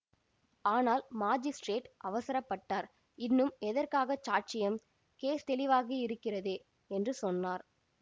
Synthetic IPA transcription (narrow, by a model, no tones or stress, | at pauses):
aːnaːlmaːd͡ʒɪsʈɾeːʈʔɐʋɐsɐɾɐpːɐʈːaːɾ | ɪnːɯmɛðɐrkaːɣɐt͡ʃaːɾ̚t͡ʃɪjɐm | keːst̪ɛlɪʋaːɣiɪɾɯkːɪrɐðeː | ɛndrɯsɔnːaːɾ